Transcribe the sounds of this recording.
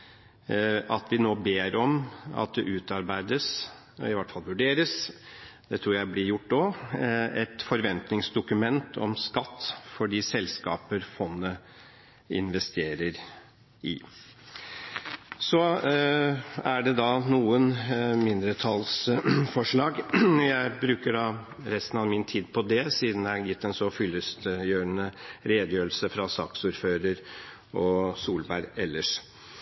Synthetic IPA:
ʔɑt̪ʋɪnoːbeːɾɔmɑ̰t̪̚d̪ɛʔʉːt̪ɑɾbæɪd̪əs | ɪʋæʈːfɑlʋʉɖeːɾəsd̪̥ɛt̪ʰɾuːɾjæɪblɪɾjʊʈːnoː | ɛt̪fɔɾʋɛnt̪nɪŋsd̪ʊkʉmɛnt̪ʰɔ̰mskɑt̪ːfɔɖiːsɛlskɑ̰ːpəɾfɔnːə | ɪnʋɛst̪ʰeːɾəɾ | ɪ | sɔ | æɖɛd̪ɑnuːənmɪnd̪ɾət̪ʰɑlsfɔʂɭɑːɡjæɪbɾʉːkəɖɑ | ɾɛst̪ən̩ɑʋmɪnt̪ʰiːd̪pʰɔd̪ɛsiːd̪n̩æjɪt̪ːɛnsɔfʏlːəst̪jøːɾənəɾeːd̪əjøːɾl̩səfɾɑsɑːksuːɾføːɾəɾ | ɔsuːlbæɾɛlːəʂ

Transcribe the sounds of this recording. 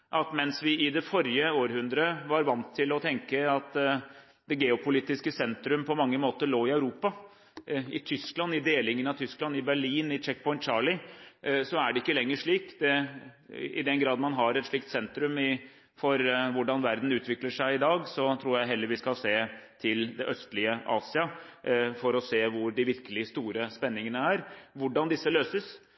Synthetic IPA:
ʔɑt̪mɛnsʋɪɪd̪ɛfɔɾjəoːɾhʉnd̪ɾəʋɑɾʋɑnt̪ʰːɪlɔt̪ʰɛŋkəɑt̪ | d̪ɛɡeːʊpʊliːt̪ɪskəsɛnt̪ɾʉmpʰɔmɑŋːəmoːt̪əɭoːɪɑʉɾuːpɑ | ɪt̪ʰʏsklɑnːɪd̪eːlɪŋənɑt̪ʰʏsklɑnɪbæɭiːnɪt͡ʃɛk̚pʰɔʏnt̪t͡ʃɑːɭɪsɔæɖɛɪkːəlɛŋːəʂɭiːkd̪ɛ | ɪ̰d̪ɛnɡɾɑːd̪mɑnɦɑɾɛt̪ʂɭɪːk̚t̪sɛnt̪ɾʉmɪ | fɔɾʋʊɖɑnʋæɾd̪n̩ʉːt̪ʋɪkləʂæɪɪd̪ɑːɡsɔt̪ʰɾuːɾjæɪɦɛlːəɾʋɪskɑseːt̪ʰɪld̪ɛʔœst̪lɪəʔɑ̰ːsɪɑfɔɾɔseːʋʊɖɪʋɪɾkəlɪst̪uːɾəspɛnːɪŋənəæɾʋʊɖɑnd̪ɪsːəløːsəs

